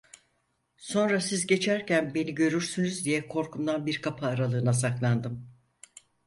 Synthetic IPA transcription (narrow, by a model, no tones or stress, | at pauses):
so̞nɾasizɟe̞t͡ʃʰæɾcʰænbe̞niɟø̞ɾyɾsynyzd̪ijɛkʰo̞ɾkʰumd̪anbiɾkʰapʰaːɾalˠɯːnasaklˠand̪ɯm